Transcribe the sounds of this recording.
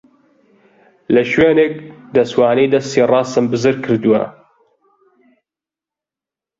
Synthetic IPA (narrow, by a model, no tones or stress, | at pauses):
lɐʃweːnek̚d̪ɐswaːnejd̪ɐst̪iːrˤɑːsɨmbɨzɨɾkʰɨɾd̪uwɐ̰